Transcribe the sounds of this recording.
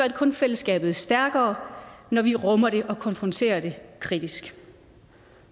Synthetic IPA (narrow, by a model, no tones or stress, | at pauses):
ɐ̥e̥kʰɔ̽nfel̰əsɡ̥ɛ̰ːb̥ð̩ˠsd̥æɐɡ̥ɐːnɒʋiʁɔ̽mɐɾ̥e̝ʔɒ̽kʰɒ̽nfʁɔnt͡sʰe̝̰ːɐd̥e̝kʰʁid̥isɡ̥